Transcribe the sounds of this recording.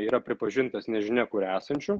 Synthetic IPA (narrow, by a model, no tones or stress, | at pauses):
iːɾɐpʲɾʲɪpɐʒʲɪnt̪ɐsnʲɛʒʲɪnʲɛkʊɾæːsɐnʲt͡ʃʲʊ